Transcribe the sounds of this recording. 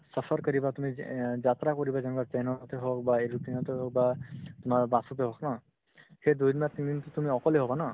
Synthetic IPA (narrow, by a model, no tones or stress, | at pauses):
səpʰəɹkɔɾibat̪umid͡ʒat̪ɾakɔɹibazanbapɛjnɔt̪eɦɔk̚baeɾupinɔt̪eɦɔk̚bat̪ʊmaɹbasuteɦɔknɔ | hed̪ujd̪inat̪ind̪int̪ut̪umiɔkɔleɦɔbana